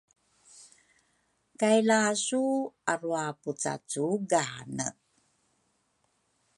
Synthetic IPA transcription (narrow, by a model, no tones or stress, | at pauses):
kajlasuaɾuaput͡sa̰t͡suɡanə̰